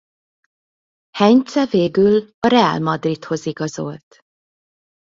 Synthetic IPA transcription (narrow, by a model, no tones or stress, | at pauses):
hɛɲt̪sɛveːɡylɒɾɛa̰lmɒd̪rit̪ho̞ziɡɒzo̞lt̪